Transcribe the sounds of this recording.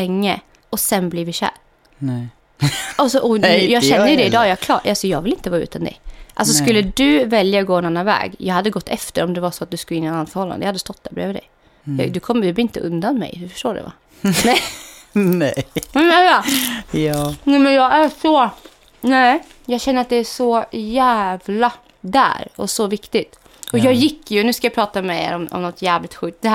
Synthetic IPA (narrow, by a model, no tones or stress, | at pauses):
ɛŋːə | ɔsɛnbliɾvɪɕæ̰ːɾ | asɔʔɔɛjɑːɡɕɛnːəjɵd̪ɛɪd̪ɑːjɑkʰlɑːʔalsɔjɑːɡvɪlɪnt̪əvɑːʉ̰ːt̪and̪ɛ̰ʔals̬ɔskɵlːəd̪ɵvɛljaɔɡoːɛnanːanvɛ̰ːɡjʔɑ̰ːɡhad̪ːəɡɔt̪ːɛ̰ft̪əɾɔmd̪ɛvaʂɔat̪̚d̪ɵskɯlːɪnːnanːt̪fœɾhɔlːa̰d̪əjahad̪ːəst̪ɔt̪̚ːd̪æɾbɾḛːvɪd̪ɛ̰j | d̪ɑ̰d̪ɵkʰɔmːd̪ɵbɪnt̪ə̰ʔɵ̰nd̪anmɛ̰jd̪ɵfœ̥ʂʈoːɖɛ̰va̰ | nɛj | nɛvɛva | nɛmɛnjɑæsɔ | nɛ | jɑːɡɕɛnːəɾat̪̚d̪ɛæʂɔjæːvla | d̪æ̰ɾɔ̰sɔvɪkt̪ɪt̪ | ɔjɑːɡjɪkːjɵnʉ̟ːskajɑpʰɾɑːt̪amɛḛːɾɔmɔ̰mnɔt̪jæːvlɪk̚t̪ɧʉ̟ːt̪̚d̪ɛh